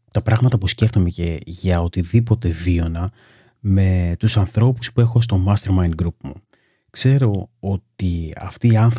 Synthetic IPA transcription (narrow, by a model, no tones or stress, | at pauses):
t̪ɐpɾɐɣmɐt̪ɐpusce̞ft̪o̞me̞ce̞ʝɐo̞t̪iðipo̞t̪e̞vio̞nɐ | me̞t̪usɐnθɾo̞pu̥spue̞xo̞s̬t̪o̞mɐst̪e̞ɾmɐjnɡɾupmṵ | kse̞ɾo̞o̞t̪iɐ̰ft̪iːɐnθ